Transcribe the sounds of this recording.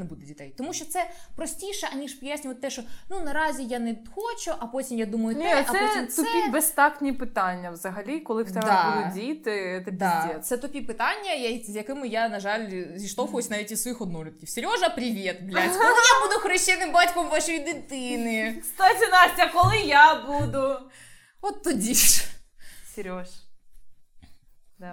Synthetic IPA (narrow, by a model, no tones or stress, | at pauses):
nebud̪ɛdʲit̪ɛjt̪ɔmuʃt͡ʃɔt̪sɛpɾɔsʲtʲiʃɛʔɐnʲiʒpɔjasʲnʲʊʋɐt̪t̪ːɛʃɔnunɐɾɑzʲijanɛxɔt͡ʃʊʔɐpɔtʲimjad̪umɐjʊnʲɛɐp̪ɛtʲimt̪ɔɛpʲibɛst̪ɑknʲipɪt̪ɑnʲːɐʋzɐɦɐlʲikɔlˠɪwt̪ɛd̪ɑʊʊdʲijt̪ɪt̪ɛb̪ʲiisɛt̪ɔpʲipɪt̪ɑnʲːɐjzʲjɐkɪmɪjanɐʒalʲzʲiʃt̪ɔfʊjʊsʲnɑʋʲitʲisʋɔjixɔd̪nɔɾʲɪt̪̚kʲiwsʲeɾʲɔʒɐpɾʲiʋʲit̪blʲatʲkɔlˠɪjabud̪ʊxɾɔɕt͡ʃɛnɪmbatʲkɔmʋaʃɔjid̪ɪt̪ɪnɪst̪ɔzʲɪnasʲtʲɐkɔlˠɪjabud̪ʊ | ɔt̪ːɔdʲiʃ | sʲeɾʲɔʃ | d̪